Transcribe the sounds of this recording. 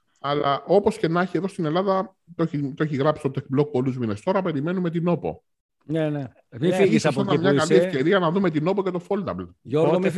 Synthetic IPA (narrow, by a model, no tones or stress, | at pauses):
ɐlɐ̰ʔo̞po̞sce̞nɐçie̞ðo̞st̪ine̞lɐðɐ | t̪oçit̪oeçiɣɾɐpsi̥t̪ot̪ekblo̞k̚po̞luzmine̞st̪o̞ɾɐpe̞ɾime̞nume̞t̪ino̞po̞̰ | nene | iiisɐsɐmɲɐkɐliefce̞ɾiɐnɐðume̞t̪̬ino̞po̞ce̞t̪ofo̞ld̪ɐblo